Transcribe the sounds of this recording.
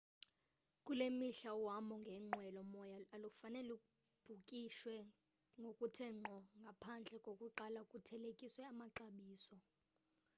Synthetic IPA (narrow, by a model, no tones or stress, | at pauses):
kʼulemiɬawamɔŋɡʱɛŋ͡ǃwɛlɔmɔjaalufanɛlukʼu | b̥ʱukʼiʃwɛ | ŋɡʱokʼutʰɛŋ͡ǃʱɔŋɡʱapʰand͡ɮʱɛkʼokʼuǃalakʼutʰɛlekʼiswɛamaǃaɓiːsɔ